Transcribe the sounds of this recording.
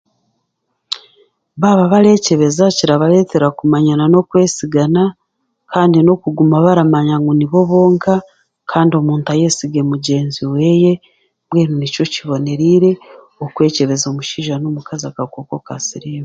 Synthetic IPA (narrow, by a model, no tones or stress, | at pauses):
βaβaβaɾe̞ce̞βe̞zaciɾaβale̞ːte̞ɾakumaɲanano̞kwe̞ːsiɡana | kaːndino̞kuɡumaβaɾamaɲaŋɡuniβo̞βo̞ːŋka | kʰaːndio̞muːntaje̞ːsiɡe̞muɟe̞ːnziwe̞je̞ | βweːnunico̞ciβo̞ne̞ɾiːɾe̞ | okwe̞ːce̞βe̞zomuʃiːʒanomukazakakoko̞ka̰siɾiwe